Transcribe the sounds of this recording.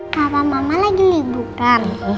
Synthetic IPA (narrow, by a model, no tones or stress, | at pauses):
kaβamamalaɡilid̪udan